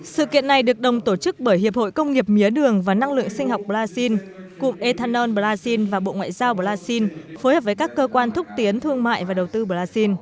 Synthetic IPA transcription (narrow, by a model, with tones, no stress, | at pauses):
sɨ̰˧˨kḭ˧˨əna˨˩jɗɨ˨˩ək̚ɗə˨˩wŋ͡mt̪o˧˩t͡ɕɨ˦˥k̚ɓəː˧˩jhi˨˩əp̚ho̰˧˨jkə˧wŋ͡mŋi˨˩əp̚mi˨˦əɗɨ˨˩əŋvaː˨˩na˧ŋlɨ̰˧˨əŋsï˧ŋ̟ɦa˨˩wk͡p̚ɓə˨˩laː˧si˧nkʊ̰˧˨ŋ͡mʔe˧t̪ʰaː˧nɔ˧nɓə˨˧˩laː˧si˧nvaː˨˩ɓo̰˧˨ŋwa̰ː˧˨jzaː˧wɓə˧˩laː˧si˧nfo˨˦jhəː˨˩p̚vəː˨˦jkaː˦˥kːəː˧kwaː˧nt̪ʰʊ˦˥k͡p̚t̪i˨˦ənt̪ʰɨ˧əŋma̰ː˧˨jvaː˨˩ɗə˨˩wt̪ɨ˧ɓəː˨˩laː˧si˧n